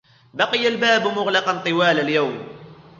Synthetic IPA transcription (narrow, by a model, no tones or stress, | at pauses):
bɑqɨjalbaːbmʊɣlɑqɑnt̪ˤɨwaːlaljawm